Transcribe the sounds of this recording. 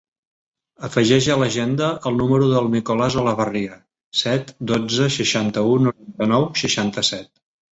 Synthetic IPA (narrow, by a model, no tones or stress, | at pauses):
əfəʒɛʒələʒend̪əʔəlˠnuməɾuðəlˠnikolazoləβəriə | sɛt̪d̪od͡zəʃəʃant̪əunuɾant̪ənɔwʃəʃant̪əsɛt̪̚